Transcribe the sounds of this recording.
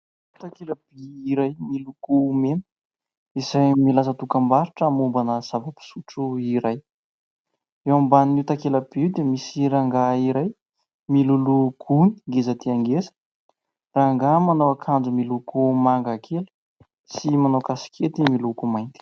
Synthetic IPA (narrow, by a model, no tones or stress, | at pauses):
ut̪akeləb̥iːɾajmilukumenə̥ | izajmilasət̪ukambaɾuʈ͡ʂːmumbanəz̥avəpi̥suʈ͡ʂuiɾaj | ewambannut̪akeləbiwd̪emisiɾaŋɡaiɾaj | milulukuni̥ɡezət̪iaŋɡesə̥ | raŋɡamanowakʰand͡zumilukumaŋɡakʰelə̥ | simanokasi̥kʲʰet̪imilukumajnt̪i̥